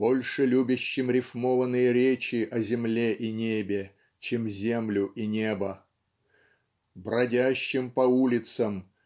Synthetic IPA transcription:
b̥olʲʂɨlʲubʲɪɕːɪmɾʲɪfmovənɨjəɾʲet͡ɕɪʔɐzʲɪmlʲeʔinʲebʲɪ | t͡ɕemzʲemlʲʊʔinʲebə | bɾɐdʲæɕːɪmpɐulʲɪt̪səm

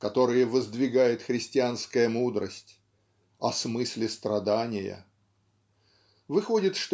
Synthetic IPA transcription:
kɐt̪o̞ɾɨjəvəzd̪vʲɪɡajɪt̪xɾʲɪsʲtʲɪanskəjəmud̪ɾəsʲtʲ | ɐsmɨsʲlʲɪst̪ɾɐd̪anʲɪjə̰ | vɨxo̞dʲɪt̪ʂt̪

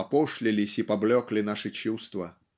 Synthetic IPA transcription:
ɐpɔʂlʲɪlʲɪsʲipablʲɔklʲɪnaʂɨt͡ɕust̪vɐ

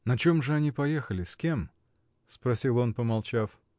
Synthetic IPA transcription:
nɐt͡ɕe̞mʐɨɐnʲipɐjexəlʲɪskʲem | spɾɐsʲilˠo̞npəmɐlˠt͡ɕaf

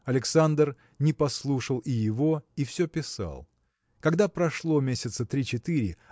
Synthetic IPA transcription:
ɐlʲɪksand̪r | nʲɪpɐslˠuʂəlˠɪjɪvo̞ifsʲɵpʲɪsa̰lˠ | kɐɡd̪apɾɐʂlˠo̞mʲesʲɪt̪sət̪ɾʲit͡ɕɪt̪ɨɾʲɪ̰

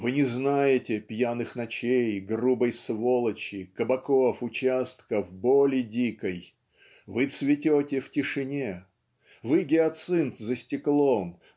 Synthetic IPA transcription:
vɨnʲɪznajɪtʲɪpʲjanɨxnɐt͡ɕejɡrubəjsvolˠət͡ɕɪkəbɐkofʊt͡ɕast̪kəvbolʲɪdʲikəj | vɨt̪svʲɪtʲotʲɪftʲɪʂɨnʲe | vɨɡʲɪɐt̪sɨnt̪zəsʲtʲɪklˠom

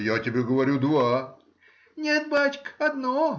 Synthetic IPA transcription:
jatʲɪbʲeɡəʋɐɾʲud̪ʋa | nʲet̪̚bat͡ʃkə̥ɐd̪no

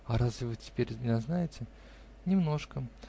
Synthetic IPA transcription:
ɐɾazvʲɪvɨtʲɪ̥pʲeɾʲnʲɪɐznajɪtʲɪ | nʲɪmno̞ʂkə

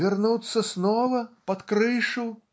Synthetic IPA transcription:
arnut̪sːɐsnɔvɐpɐt̪kɾɨʂu

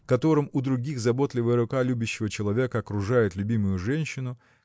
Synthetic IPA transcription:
kɐt̪o̞ɾɨmʊd̪ɾʊɡʲiɣzɐbo̞t̪lʲɪvəjəɾʊkalʲubʲɪɕːɪvət͡ɕɪlˠɐvʲekəɐkɾʊʐajɪt̪lʲʉbʲimʊjʊʐɛnʲɕːɪnʊ

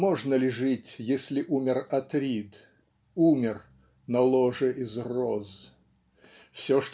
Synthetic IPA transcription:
moʐnəlʲɪʐɨtʲjesʲlʲɪʔumʲɪrɐt̪ɾʲit̪ | umʲɪr | nɐlˠoʐɨʔizroz | fsʲoʂt̪

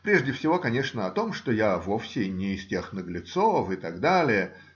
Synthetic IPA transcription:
pɾʲe̞ʐdʲɪfsʲɪvo̞kɐnʲeʂnəɐt̪o̞mʂt̪ojavo̞fsʲɪnʲɪːstʲe̞xnəɡlʲɪt̪sofɨt̪ɐɡd̪alʲɪjə

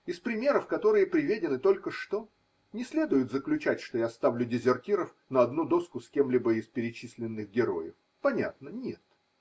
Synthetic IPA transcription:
ɪspɾʲɪmʲe̞ɾəfkɐt̪o̞ɾɨjəpɾʲɪvʲedʲɪnɨt̪o̞lʲkəʂt̪o̞ | nʲɪsʲlʲe̞d̪ʊjʊt̪zəklʲʉt͡ɕætʲʂt̪o̞jast̪avlʲʊdʲɪzʲɪrtʲiɾəf | nəɐd̪nud̪o̞skʊsʲkʲe̞mlʲibəɪspʲɪɾʲɪt͡ɕisʲlʲɪnːɨɣɡʲɪɾo̞̰jɪ̰f | pɐnʲa̰t̪̚nənʲet̪

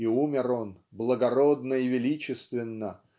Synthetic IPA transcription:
iumʲɪɾo̞n | blˠəɡɐɾod̪nəɪvʲɪlʲit͡ɕɪst̪vʲɪnːə

